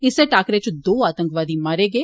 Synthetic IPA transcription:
ɪseʈaːkɾet͡ʃd̪oːaːt̪ə̃ŋkʋaːd̪imaːɾeːɡeː

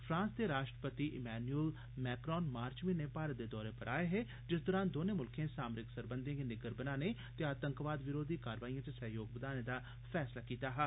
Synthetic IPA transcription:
fʰɾãːnsd̪eːɾaːʃʈɾəpət̪iːʔɪmɛːnuəl | mɛːkɾɔːnmaːɾt͡ʃmĩːneːpaːɾət̪̚d̪eːd̪ɔːɾeːpəɾʔa̰ːeɦeː | d͡ʒɪsd̪ɔːɾaːnd̪oːnẽːmʊlkʰẽːsaːmɾɪksəɾbənd̪ĩkenɪɡəɾbənãːneː | t̪eaːt̪əŋkʋaːd̪ʋɪɾoːd̪iːkaːɾʋaːiãːt̪eːsəɦjoːɡbəd̪aːnẽːd̪aː | pʰɛːslaːkiːt̪aːɦɛː

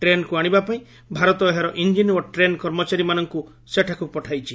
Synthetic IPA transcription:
ʈɾenkuaɽ̃ibapaĩ | bʱaɾɔt̪ɔeɦaɾɔʔind͡ʒinwɔʈɾenkɔɾmɔt͡ʃaɾimanɔŋku | seʈʰakupɔʈʰajt͡ʃʰi

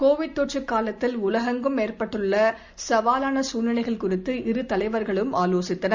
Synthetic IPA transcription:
koːʋɪɽ̚t̪oːʈrɯkːaːlɐt̪ːɪlʊlɐɣɐŋɡɯmeːrpɐʈːɯɭːɐ | sɐʋaːlaːnɐsuːnɐɳɐɪɣɐɭkʊrɪt̪ːɯʔɪɾɯt̪ɐlɐɪʋɐɾɣɐɭɯmaːloːsɪt̪ːɐnɐɾ

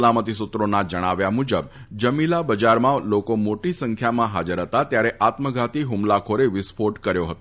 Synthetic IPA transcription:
lamət̪isut̪ɾonad͡ʒəɽ̃aʋjamud͡ʒəb | d͡ʒəmilabəd͡ʒaɾmãlokomoʈisəŋkʰjamãɦad͡ʒəɾɦət̪at̪jaɾɛʔat̪məɡʱat̪iɦumlakʰoɾeʋɪspʰoʈkəɾjoɦət̪o

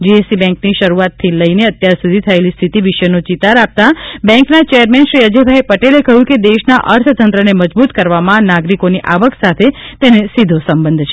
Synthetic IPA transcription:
d͡ʒiesibɛ̃ŋkniʃəɾuat̪ʰːiləineət̪jaɾsud̪ʱit̪ʰəelist̪ʰit̪iʋɪʃənot͡ʃit̪aɾap̚t̪abɛ̃ŋknat͡ʃejəɾmɛnʃɾiəd͡ʒebʱaipəʈelekəɦjũked̪eʃnaʔəɾt̪ʰt̪ənt̪ɾəneməd͡ʒbut̪kəɾʋamãnaɡɾikoniʔaʋəksat̪ʰet̪enesid̪ʱosəmbənd̪ʱt͡ʃʰe

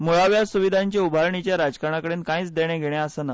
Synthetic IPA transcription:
muɭaʋjasuʋid̪ʱaɲt͡ɕaubʱaɾɳit͡ɕjaɾad͡zkaɾɳ̃akəɽeːnkãĩːt͡sd̪eɽ̃eɡʱeɽ̃jaəsəna

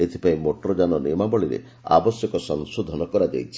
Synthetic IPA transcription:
et̪ʰi̥paĩmoʈɔɾɔd͡ʒanɔnimabɔɭiɾḛ | a̰bɔsjɔkɔsɔŋsod̪ʱɔnɔkɔɾad͡ʒa̰jt͡ʃʰi̥

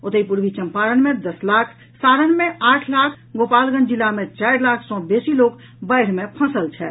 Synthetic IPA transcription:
ot̪əipuɾʋit͡ʃəmpaɾənmẽd̪əslaːkʰ | saɾənmeaːʈʰlakʰ | ɡoːpaːlɡə̃nd͡ʒilamẽt͡ʃaɪɾlaːkʰsɔ̃besiloːk | bəɪɽ̤mepʰə̃səlt͡ʃʰɛ

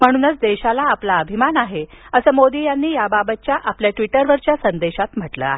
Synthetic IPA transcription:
m̤əɽ̃uːnət͡sd̪eɕalaːplaəbʱimanaɦeəsəːmod̪iːjanːiːjababət̪̚t͡ɕjaʔapljaʈʋiʈəɾʋəɾt͡ɕjasənd̪eɕat̪m̤əʈlə̰a̰ɦe

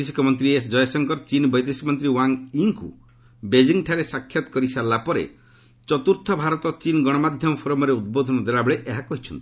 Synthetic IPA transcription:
esi̥kʰɔmɔnt̪ɾiesd͡ʒɔjɔsɔŋkɔɾt͡ʃinbɔjd̪esimɔnt̪ɾiwaŋiŋkṵ | bed͡ʒiŋʈʰaɾesakʰːjɔt̪ɔ̥kɔɾisaɾlapɔɾḛ | t͡ʃɔt̪uɾt̪ʰɔbʱaɾɔt̪ɔt͡ʃinɡɔɽ̃ɔmad̪ʱjɔmɔpʰɔɾɔmɔɾeud̪̚bod̪ʱɔnɔd̪eɭabeɭeʔeɦakɔɦit͡ʃʰɔnt̪ʰi̥

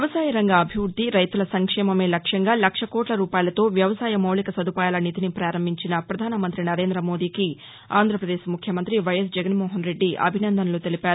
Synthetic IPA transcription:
jɐʋɐsaːjɐɾɐŋɡɐːbʱiʋɾud̪ʱːiɾɐjt̪ulɐsɐŋkʂɛːmɐme̞ːlɐkʂɐŋɡaːlɐkʂɐkoːʈlɐɾuːpaːjlɐt̪o̞ːʋjɐʋɐsaːjɐmɐwlikɐsɐd̪upaːjaːlɐnit̪inipɾaːɾɐmbʱiɲt͡ʃinɐpɾɐd̪ʱaːnɐmɐnt̪ɾinɐɾe̞ːnd̪ɾɐmo̞ːd̪iːki | a̰ːnd̪ʱɾɐpɾɐd̪eːʃmukʰjɐmɐnt̪ɾiʋɐjɐsd͡ʒɛɡɐnmɔːɦɐnɾe̞ɖːiʔɐ̰bʱinɐnd̪ʱɐnɐloːt̪e̞lipaːɾuu

